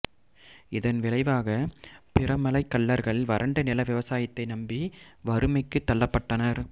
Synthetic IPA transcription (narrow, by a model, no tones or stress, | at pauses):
ɪðɐnʋɪlɐɪʋaːɣɐpɪrɐmɐlɐɪkːɐɭːɐɾɣɐɭʋɐɾʔɐɳɖɐnɪlɐʋɪʋɐsaːjɪt̪ːɐɪnɐmbiʋɐɾɯmɐɪkːɯt̪ːɐlːɐpːɐʈːɐnɐɾ